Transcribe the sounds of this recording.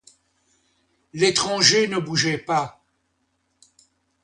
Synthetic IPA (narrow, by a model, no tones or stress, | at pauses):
let̪χɑ̃ʒenəbuʒɛpa